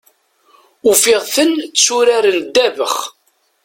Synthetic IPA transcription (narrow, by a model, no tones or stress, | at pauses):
ufɪʁθənt͡sːsuɾaɾənd̪ːævəχ